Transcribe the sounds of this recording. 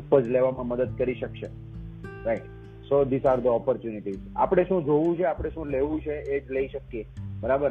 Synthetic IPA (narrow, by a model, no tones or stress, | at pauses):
pəd͡ʒleʋamãməd̪əd̪̚kəɾiʃəkʃe | ɾaiʈ | sod̪ɪsaɾd̪əɔpɔɾt͡ʃjuniʈiza̰pəɽ̃eʃũd͡ʒoʋũt͡ʃʰeapɽ̃eʃũleʋũt͡ʃʰeed͡ʒləiʃəkjebəɾabəɾ